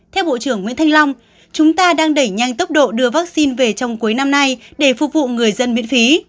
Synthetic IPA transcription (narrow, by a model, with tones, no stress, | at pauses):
t̪ʰɛ˧wɓo̰˧˨t͡ɕɨ˧˩əŋwḭ˧˥ənt̪ʰjŋ̟la˧wŋ͡m | t͡ɕʊ˨˦ŋ͡mt̪aː˧ɗaː˧ŋɗə˧˩jɲa˧jŋt̪ə˦˥p̚ɗo̰˧˨ɗɨ˧əvaː˦˥k̚si˧nve˨˩t͡ɕɔ˧wŋ͡mku˨˦jna˧mna˧jɗe˧˩fṵ˨˩k̚vṵ˧˨ŋɨ˨˩əjzə˧nmḭ˧˥ənfi˨˦